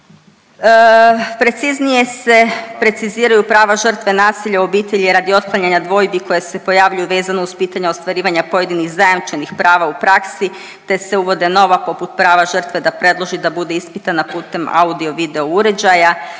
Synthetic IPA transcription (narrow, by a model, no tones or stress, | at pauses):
pɾe̞t̪siznije̞se̞pɾe̞t̪siziːɾajupɾaːʋaʒər̩t̪ʋe̞naːsiʎaobiːt̪e̞ʎieɾad̪io̞d̪klˠaɲaɲad̪ʋo̞jbiko̞jese̞po̞jaʋʎujuʋe̞ːzanouspiːt̪aɲaost̪ʋaɾiːʋaɲapo̞je̞d̪iniɣzajamt͡ʃenixpɾaːʋaupɾaksi | t̪e̞se̞uʋo̞d̪e̞no̞ʋapo̞put̪̚pɾaːʋaʒr̩t̪ʋe̞d̪apɾe̞d̪lˠo̞ʒid̪abud̪e̞ispit̪anapuːt̪e̞ma̰ud̪io̞ʋid̪e̞ouɾe̞d͡ʑaja